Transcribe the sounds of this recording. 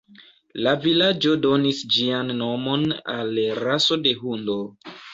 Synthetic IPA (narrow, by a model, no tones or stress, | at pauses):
lavilad͡ʒo̞do̞nisd͡ʒianːo̞mo̞na̰lɾaso̞de̞ɦundo̞